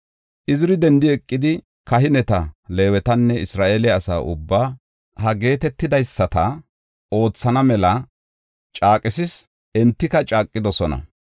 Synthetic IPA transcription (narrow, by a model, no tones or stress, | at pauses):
ʔɪzɪɾɪd̪ɛnd̪ɪɛkʼːɪd̪ɪ | kɐɦɪnɛt̪ɐle̞ːwɛt̪ɐnːɛɪsɾaːʔelɛɐsa̰ːʔʊ̰bːaː | hɐɡe̞ːt̪ɛt̪ːɪd̪ɐjsːɐt̪ɐ | o̞ːt͡sːɐnɐmɛlɐ | t͡ʃʼaːkʼɪsɪs | ɛnt̪ːɪkɐt͡ʃʼaːkʼːɪd̪ɔsɔnɐ̰